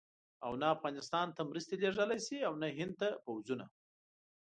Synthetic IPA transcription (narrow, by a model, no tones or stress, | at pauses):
awnaːfɣɑnɪst̪ɑnt̪amɾəst̪eleʐəlajsiawnaɦɪnd̪̚t̪apawzuna